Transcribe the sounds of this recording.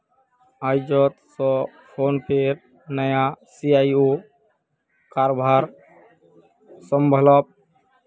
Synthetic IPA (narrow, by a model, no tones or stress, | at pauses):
aːjd͡ʒɔt̪sɔ | pʰoːnpʰeɾ | nəjasiaːio | kaːɾbʱaɾ | səmbʱələb̚